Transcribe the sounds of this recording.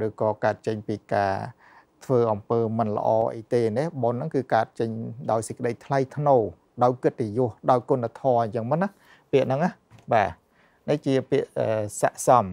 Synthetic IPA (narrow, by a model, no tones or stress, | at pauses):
rɨːkɑːkaət̪̚t͡ɕəɲpiːkaː | t̪ʰʋəːʔɑmpəːmɨnlə̰̆ʔɑːʔə̰jt̪eːneɓonːɨŋkɨːkaət̪̚t͡ɕəɲɗaɔjsəc̚kə̆ɗəjt̪ʰlajt̪ʰnoː | ɗaɔjkɨt̪̚ːejʊ̆əhɗaɔjkunːat̪ʰɑːɲt͡ɕəŋmɨnnah | piəʔnɨŋah | ɓaː | nit͡ɕiəpiəʔʔəːsa̰ʔsɑm